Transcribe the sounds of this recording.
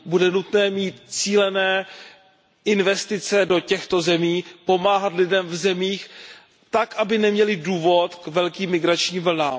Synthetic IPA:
budɛnut̪nɛːmiːt̪t͡siːlɛnɛː | ʔɪnvɛst̪ɪt͡sɛdo̞cɛxt̪o̞zɛmiːpo̞maːɦat̪lɪdɛmvzɛmiːx | t̪akʔabɪnɛmɲɛlɪduːvo̞t̪kvɛlkiːmːɪɡɾat͡ʃɲiːmvl̩naːm

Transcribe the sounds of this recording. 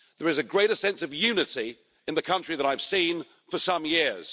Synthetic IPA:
ðə˞ɨzɨɡɹeɪɾəsɛ̃nsʌvjʉnɨɾi | ɨ̃nðɨkʰʌ̃nt͡ʃɹ̥iðəɾaɪv̥sĩn | fəsʌ̃mjɪɹz̥

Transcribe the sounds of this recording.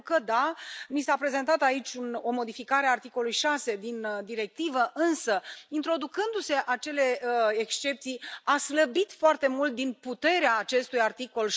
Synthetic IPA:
kəd̪anisapɾe̞ze̞nt̪at̪ait͡ʃʲuno̞mo̞d̪ifikaɾeaːrt̪iko̞lujʃase̞d̪ind̪iɾe̞k̚t̪ivəʔɨnsəint̪ɾo̞d̪ukɨnd̪use̞ʔat͡ʃe̞le̞ekst͡ʃe̞p̚t̪sijasləbit̪foart̪e̞mult̪̚d̪input̪e̞ɾeaːt͡ʃe̞st̪ujart̪iko̞l

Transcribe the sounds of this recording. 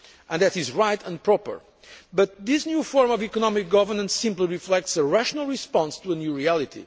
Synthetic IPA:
ʔə̃nðɨtizɹaɪtə̃npʰɹɔpə̰˞ | bʌt̪̚ðisnjufɔɹmɔvikɔnɔmɪk̚ɡ̥ʌvə˞nə̃nsĩmpliɹiflɛk̚tsəɹæʃɔnəl̩ˠɹispɑ̃nstuənjuɹiælˠitʰḭ

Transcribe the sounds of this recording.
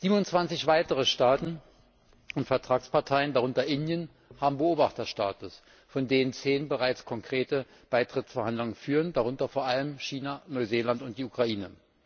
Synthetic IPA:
z̥iːbmʊnt͡sv̥ant͡sɪçv̥aɪtəʁ̞əʃtaːtn̩ | ʔʊntfɛɐtʁ̥aːkspaɐtʰaɪəndaʁ̞ʊntɐʔɪndjən | haːbm̩bəoːbaχtɐʃtaːtʊs | fɔndeːnənt͡seːnənbəʁaɪt͡skʰɔŋkʁ̥eːtə | b̥aɪtʁ̥ɪtt͡sfɛɐhandlʊŋənfyːʁ̞əndaʁ̞ʊntɐfoːɐʔaləmʃiːnanɔʏzeːlantʊnt̚d̥iːukʁ̥aʔiːnə

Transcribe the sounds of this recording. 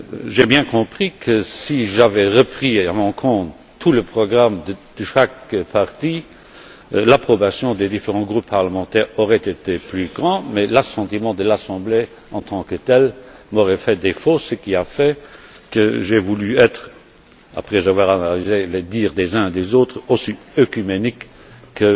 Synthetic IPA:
ʒebjɛ̃kɔ̃pχikʰəsiʒavɛʁəpχiamɔ̃kʰɔ̃ːt̪ | t̪ʰːuləpχɔɡʁamd̪əd̪̥əʃakpʰaʁt̪i | lapχɔbasjɔ̃d̪ed̪ifeʁɑ̃ɡʁupʰːaʁləmɑ̃t̪ɛːʁɔʁɛt̪et̪eplyɡʁɑ̃mɛlasɑ̃t̪imɑ̃d̪əlasɑ̃ble | ɑ̃t̪ʰɑ̃kət̪ɛlmoʁɛfɛd̪efosəkiafɛ | kəʒɛvulyɛt̪χ | a̰pχɛzavwaːʁanalizeled̪iːʁd̪ezɛ̃d̪ezoːt̪χosiøkymenikː | ə

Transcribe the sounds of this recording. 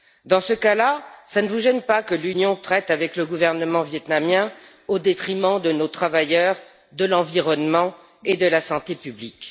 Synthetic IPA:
d̪ɑ̃səkalasanəvuʒɛnpakəlynjɔ̃t̪χɛt̪avɛkləɡuvɛʁnəmɑ̃vjɛt̪namjɛ̃ | od̪et̪χimɑ̃d̪ənot̪χavajœʁ | d̪əlɑ̃viʁɔnmɑ̃ | ed̪əlasɑ̃t̪epyblik

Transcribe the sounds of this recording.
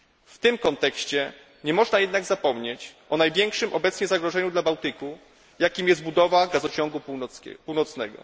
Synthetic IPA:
ft̪ɘmkɔnt̪ɛkɕt͡ɕɛ | ɲɛmɔʐnajɛd̪naɡzapɔmɲet͡ɕʔɔnajvʲjɛŋkʂɘmʔɔbɛt̪sɲɛzaɡɾɔʐɛɲud̪labawt̪ɘku | jakʲimjɛszt̪̚bud̪ɔvaɡazɔt͡ɕɔŋɡupuwnɔt̪snɛ̰ɡɔ̰

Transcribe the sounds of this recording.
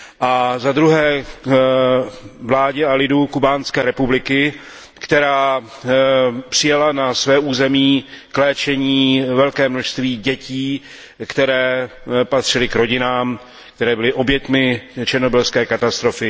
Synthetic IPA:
ʔazad̪ɾuɦɛː | vlaːɟɛalɪdukubaːnskɛːɾɛpublɪkɪ | kt̪ɛɾaː | pr̥ɪjalanasvɛːʔuːzɛmiːklɛːt͡ʃɛɲiːvɛlkɛːmnoʃst̪viːɟɛciː | kt̪ɛɾɛːpat̪r̝̥ɪlɪkɾo̞ɟɪnaːm | k̚t̪ɛɾɛːbɪlɪʔo̞bjɛt̪mɪt͡ʃɛɾno̞bɪlskɛːkat̪ast̪ɾo̞fɪ

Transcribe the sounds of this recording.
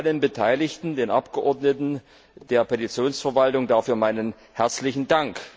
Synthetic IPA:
lənbətʰaɪlɪçtn̩deːnʔapɡ̥əʔɔɐdnətn̩ | d̥eːɐpʰetit͡sjoːnsfɛɐvaltʊŋdaːfyːɐmaɪnən | hɛɐt͡slɪçn̩daŋk

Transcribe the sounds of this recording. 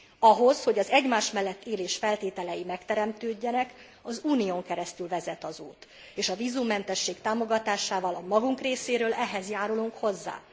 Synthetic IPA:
ɒɦo̞sho̞ɟɒzɛɟmaːʃmɛlːɛt̪ʰːeːleːʃfɛlt̪eːt̪ɛlɛjimɛkt̪ɛɾɛmt̪øːɟːɛnɛk | ɒzuːnijoːŋkɛɾɛst̪ylvɛzɛt̪ɒzuːt̪ | eːʃɒviːzumːɛnt̪ɛʃːeːkt̪aːmo̞ɡɒt̪aːʃaːvɒlɒmɒɡuŋkreːseːɾøːlʔɛɦɛzjaːɾuluŋkho̞zːa̰ː

